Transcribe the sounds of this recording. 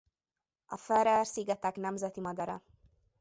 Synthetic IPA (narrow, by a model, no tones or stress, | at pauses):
ɒ̰fɛɾɛrsiːɡɛt̪ɛknɛmzɛt̪imɒd̪ɒɾɒ̰